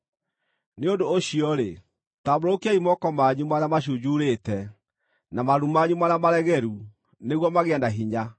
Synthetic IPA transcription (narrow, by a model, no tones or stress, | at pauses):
neondoːɕiɔɾḛ | taboɾookiaimɔkɔmaɲumaɾeamaɕ̬ud͡ʑuɾetɛ | namaɾumaɲumaɾamaɾɛɣɛɾu | neɣwɔmaɣeɛndaɦiɲa